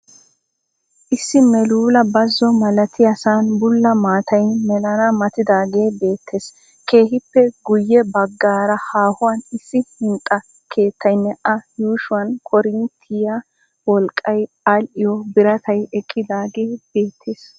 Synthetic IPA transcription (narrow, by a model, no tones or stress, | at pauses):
ʔɪsːɪmɛluːlɐbɐzːɔmɐlɐt̪ʰɪjɐsaːnbʊlːɐmaːt̪ʰɐjmɛlɐnɐmɐt̪ɪd̪aːɡe̞ːbe̞ːt̪ʰːe̞ːs | ke̞ːhɪpːɛɡʊjːɛbɐɡːaːɾɐhaːhʊwɐnɪsːɪhɪnt̪ʼːɐ | kʰe̞ːt̪ʰːɐjnːɛʔɐjuːʃʊwɐnkʰɔɾɪnt̪ʰɪjɐ | wɔlkʼːɐj | ɐlʔɪjɔbɪɾɐt̪ʰɐjɛkʼːɪd̪aːɡe̞ːb̥e̞ːt̪ʰːeːs